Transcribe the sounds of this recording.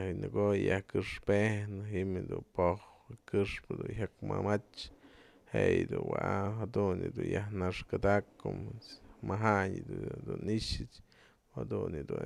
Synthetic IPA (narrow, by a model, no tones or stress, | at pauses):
nɨɡojjahkɨʂpenɨɦimd̪upohkɨʂpɨd̪unɦakmamat͡ʃ | hejd̪uwaʔɦad̪unɨd̪unjahnaʂkɨd̪akːommaɦaɲd̪d̪uniʃɨt͡ʃ | had̪unɨd̪u